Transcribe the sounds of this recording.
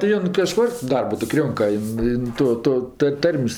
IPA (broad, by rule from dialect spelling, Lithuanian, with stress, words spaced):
tʲɪ ˈjoːn kɐˈʃkʊr ˈdɐrbʊ tʲɪk ˈrʲoːŋkɐ ˈjɪn ˈjɪn ˈtoː ˈtoː tɜ ˈtɐrʲmʲsʲ